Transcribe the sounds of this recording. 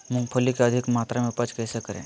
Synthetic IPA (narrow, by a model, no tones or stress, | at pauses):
mʊ̃ŋpʰəlikeɐd̪ʱɪkmaːt̪ɾamẽpɐt͡ʃkɛsekəɾḛ̃ː